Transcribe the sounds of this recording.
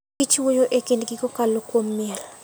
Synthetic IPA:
it͡ʃwojoʔekendɡikɔkalokwomːiɛl

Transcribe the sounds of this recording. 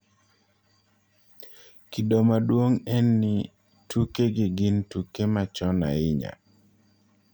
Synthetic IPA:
kidomadwoŋɛnːɪ | tʰukeɡɪɡɪntukemat͡ʃɔna̰ɪɲa̰

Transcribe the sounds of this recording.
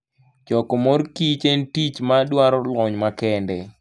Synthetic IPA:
t͡ʃɔkɔmoɾkit͡ʃentit͡ʃmadwaɾɔlɔɲmakɛndɛ

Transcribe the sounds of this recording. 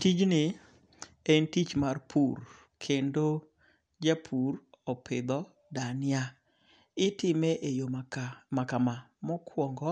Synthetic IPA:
tid͡ʒnɪ | entit͡ʃmarpʰur | kʰendo | d͡ʒapʰurɔpʰɪd̪ɔ | danɪa | ɪtɪmeʔejomamakama | mɔkʰwɔŋɡɔ

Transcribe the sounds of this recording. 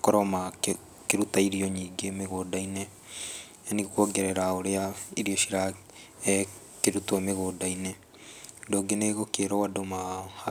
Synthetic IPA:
kɔɾɔma | keɾutaiɾiɔɲiːɡemeɣoːdaine | aniɣkoɡɛɾɛɾaoɾeaiɾioɕiɾa | keɾutwameɣoːdainɛ | ndoːɡeneɣokeɾɔwadomah

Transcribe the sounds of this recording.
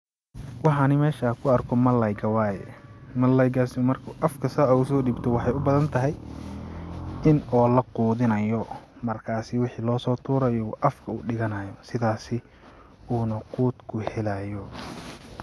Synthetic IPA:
wɑħɑnɪmɛːʃaːkʰʊɐrkʰɔmɐlɐjɡɐwaːjɛmɐlɐjɡaːsmɐrkʰʊʔɐfkʰɐsaːɐʊsɔːɖiːbt̪ʰɔwɑħɑjʊbɐðɐnt̪ʰɐɦɛj | ɪnɔːlɐquːðɪnɐjɔmɐrkʰaːsɪwɑħiːlɔːsɔːt̪ʰuːɾɐjɔʔɐfkʰɐuːɖɪɣɐnajɔsɪðaːsɪ | uːnɐquːd̪kʰʊhɛlaːjɔ

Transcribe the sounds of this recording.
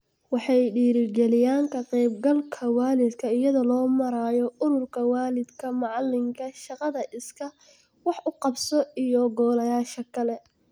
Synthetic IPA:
wɑħɑjɖiːɾɪɡɛlɪjaːŋkʰɐqɛjb̚ɡɐlkʰɐwaːlɪd̪kʰɐɪjɐðɔlɔːmɐɾaːjɔʊɾʊrkʰɐwaːlɪd̪kʰɐmɑʕɑlːɪŋkʰɐʃɑqɑðɐʔɪskʰɐ | wɑħʔʊqɑbsɔijɔɡɔːlɐjaːʃɐkʰɐlɛ

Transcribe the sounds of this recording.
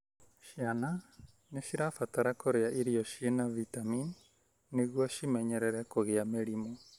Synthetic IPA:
ʃiana | neʃiɾafataɾakoɾeaʔiɾiɔʃienavitaminː | eɣwɔʃimɛɲɛɾɛɾɛkoɣeameɾimo

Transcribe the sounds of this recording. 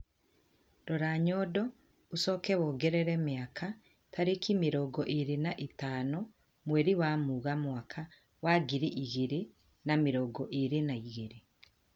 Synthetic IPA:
dɔɾaɲɔdɔ | usɔkɛwɔːɡɛɾɛɾɛmeaka | tʰaɾekimeɾɔɡɔʔeɾenaʔetaːnɔ | mwɛɾiwamuɣamwakʰa | waɡiɾiʔiɣeɾe | nameɾɔɡɔʔeɾenaiɣeɾe

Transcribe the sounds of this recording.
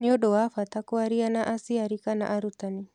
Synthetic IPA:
niɔɗɔwafatakuaɾianaʔasiaɾikana̰ʔaɾut̪ani

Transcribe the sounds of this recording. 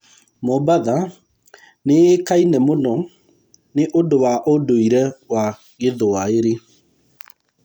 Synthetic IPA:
mobaða | neekainɛmonɔ | neʔodowaʔodoiɾɛwa | ɣeðowaeɾe

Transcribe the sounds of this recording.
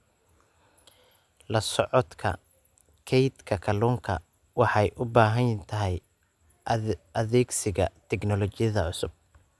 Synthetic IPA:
lɐsɔʕɔt̪kʰɐ̰ | kʰɛjt̪kʰɐkʰɐluːŋkʰɐ̰ | wɑħɑjʔʊbaːɦɐjt̪ʰɐɦɛj | ɐðɛːɡsɪɣɐ̰t̪ʰɛɡnɔlɔt͡ʃɪjɐðɐʕʊsʊb̚

